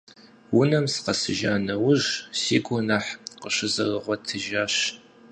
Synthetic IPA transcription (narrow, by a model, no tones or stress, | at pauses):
wʊnɐmsqɐsɨʒaːnɐwʊʑsiːɡʷʼɔnaħqəɕɪzɐrəʁʷɔtʰɨʒaːɕ